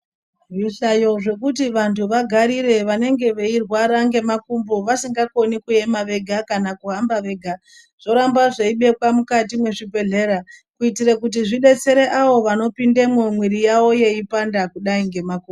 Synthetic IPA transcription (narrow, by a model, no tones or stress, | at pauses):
ʐiɬajo̞ʐe̞kutiʋantʰuʋaɡʱaɾiɾe̞ʋane̞ŋɡe̞ʋeirwaɾaŋɡe̞makumboʋasiŋɡako̞nikue̞maʋe̞ɡʱakanakuɦambaʋe̞ɡʱa | ʐ̥o̞ɾambaʐeiɓe̞kwamukatimwe̞ʐibʱe̞ɮe̞ɾakuitiɾekut̬iʐiɗe̞t͡se̞ɾeʔaʋo̞ʋano̞pindemomwiɾijawo̞je̞ipandakuɗaiŋɡe̞maku